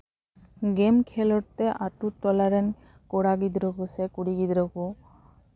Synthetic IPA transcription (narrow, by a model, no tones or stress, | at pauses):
ɡɛmkʰɛlɔɾt̪ɛʔaʈuʈɔlaɾɛn | kɔɽaɡid̪ɾɔkusɛkuɽiɡid̪ɾɔku